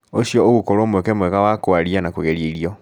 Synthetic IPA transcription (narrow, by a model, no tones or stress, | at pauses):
oɕiɔoɣokoɾomwɛkɛmwɛɣawakoaɾianakoɣɛɾieiɾiɔ